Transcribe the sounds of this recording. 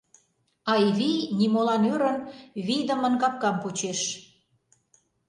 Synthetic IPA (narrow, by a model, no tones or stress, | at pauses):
ɑjβijnimolɑnøɾənβijd̪ə̆mə̆nkɑp̚kɑmput͡ɕeʃ